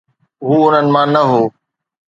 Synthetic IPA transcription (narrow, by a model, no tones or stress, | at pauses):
ɦuːʊn̤ənɪ̆mãːnɐɦoː